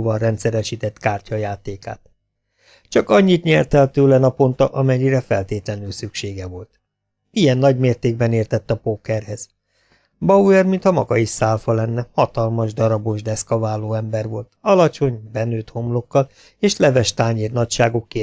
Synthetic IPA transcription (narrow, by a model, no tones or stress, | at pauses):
vɒnrɛnt̪sɛɾɛʃit̪ɛt̪kaːrcɒjaːt̪eːka̰ːt̪̚ | t͡ʃɒkɒɲːit̪ɲɛrt̪ɛlt̪øːlɛnɒpo̞nt̪ɒʔɒmɛɲːiɾɛfɛlt̪eːt̪lɛnyːlsykʃeːɡɛvo̞lt̪ | ijɛnːɒɟmeːrt̪eːɡbɛneːrt̪ɛt̪ːɒpoːkɛrɦɛz̥ | bɒuɛrmint̪hɒmɒ̰ɡɒiʃsaːlfɒlɛnːɛhɒt̪ɒlmɒʒd̪ɒɾɒbo̞ʒd̪ɛskɒvaːloːɛmbɛrʋo̞lt̪ɒlɒt͡ʃo̞ɲbɛnøːt̪ho̞mlo̞kːɒl | eːʃlɛvɛʃt̪aːɲeːrnɒcʃaːɡokːe